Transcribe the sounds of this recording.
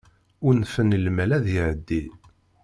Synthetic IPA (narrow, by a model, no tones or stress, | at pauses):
ʊɾnfənəlmælæðiʕəd̪ːi